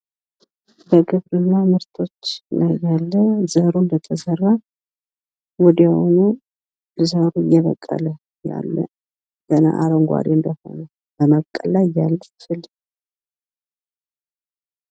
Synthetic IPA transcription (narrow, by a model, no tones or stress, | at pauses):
bəɡɨβɾɨnːamɨɾt̪ʰo̞t͡ʃːnəjalːəzəɾund̪ət̪ʰəzəɾa | wɔd̪iho̰nu | zəɾuɨjɛβə̰kʼːə̰lə | ja̰lːə̰ | ɡ̥əna̰ʔaɾəŋɡʷa̰ɾiɨnd̪əho̰nə | bəməβkʼːəlːajalːəfɨl